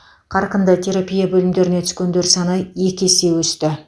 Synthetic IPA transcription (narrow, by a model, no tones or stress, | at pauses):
qʰɑɾqənd̪ət̪ʲʰe̞ɾapʲijabɵlɪmd̪e̞ɾɪne̞t̪ʰʏ̥skʲend̪e̞ɾsɑnəje̞kʲese̞wɵst̪ɪ